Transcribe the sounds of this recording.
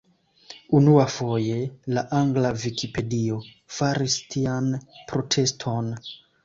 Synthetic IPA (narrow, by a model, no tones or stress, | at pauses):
unuafo̞je̞laʔaŋɡlavikipe̞dio̞ | faɾistʰianpɾo̞tʰe̞stʰo̞n